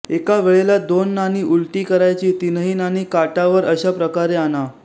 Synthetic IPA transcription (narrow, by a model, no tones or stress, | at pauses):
ekaʋeɭelad̪onːaniːʔulʈiːkəɾajt͡ɕiːt̪inəɦiːnaniːkaʈaʋəɾəɕapɾəkaɾeana